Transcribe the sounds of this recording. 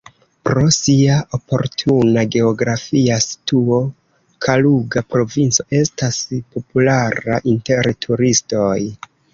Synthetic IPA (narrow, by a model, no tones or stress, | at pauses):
pɾo̞siaʔopo̞̰ɾtʰunaɡe̞o̞ɡɾafiasi̥tuo̞ | kʰaluɡapɾo̞vint͡so̞ʔe̞staspo̞pulaɾa̰ʔinte̞ɾtʰuɾisto̞j